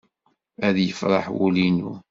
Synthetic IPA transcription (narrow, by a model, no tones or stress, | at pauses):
æðjəfɾˤɑ̰ħwṵlinṵ